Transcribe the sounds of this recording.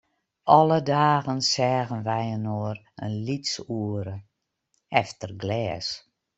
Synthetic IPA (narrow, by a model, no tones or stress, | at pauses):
ʔɔlədaːɣənsɛːɣənʋɛjənoər | ənlitsuəɾə | ɛftərɡlɛːs